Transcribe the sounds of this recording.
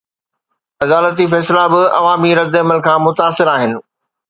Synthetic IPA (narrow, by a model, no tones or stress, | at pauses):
ɐd̪aːlət̪̬ifɛːslabɪɐ̰ʋaːmiɾɐd̪ːɐməlkʰãːmʊt̪aːsɪɾaːɦɪnɪ̆